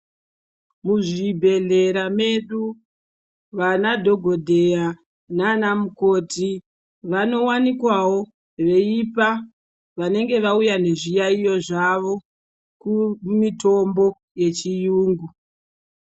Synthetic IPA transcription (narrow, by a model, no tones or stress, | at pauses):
muʐibʱe̞ɮe̞ɾame̞ɗu | ʋanadʱo̞ɡʱo̞dʱe̞ja | nanamuko̞tʰi | ʋano̞wanikwawo̞ | ʋe̞ipa | ʋane̞ŋɡe̞ʋaujane̞ʐijaijo̞ʐaʋo̞ | kumito̞mbo̞ | je̞t͡ʃijuːŋɡu